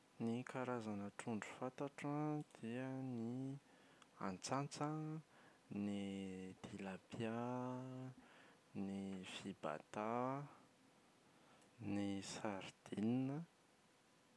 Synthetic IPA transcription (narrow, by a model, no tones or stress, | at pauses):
nikaɾazanəʈ͡ʂuɳɖ͡ʐu̥fat̪aʈ͡ʂəd̪̥iəni | a̰nt͡sant͡sə | nid̪̥ilapja | nifiba̰t̪a | nisaɾd̪̥ininə